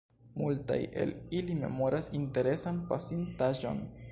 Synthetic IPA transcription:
multa̰je̞̰lilime̞̰mo̞ɾʔasinte̞ɾe̞sanpasintaʒo̞̰n

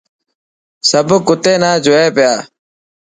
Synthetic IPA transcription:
səbkʊt̪eːnaːd͡ʒoeːpɪjaː

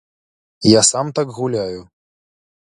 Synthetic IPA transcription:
jasamt̪akɣulʲaju

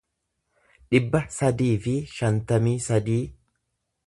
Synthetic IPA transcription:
ᶑɪbːɐsɐd̪iːfɪʃɐnt̪ɐmiːsɐd̪iː

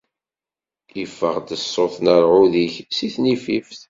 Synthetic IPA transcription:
ifːə̰ʁd̪əsˤːoθnəɾʕuðiçsiθnififθ

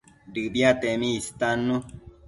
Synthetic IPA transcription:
ɖɨbjat̪emĩːst̪anu

